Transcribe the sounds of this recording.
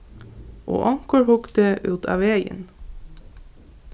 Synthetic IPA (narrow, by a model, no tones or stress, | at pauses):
ʔo̰ːʔɑŋkəɹhʊkt̪əʔʉːt̪ʰɑ̰ːʋeɪə̰n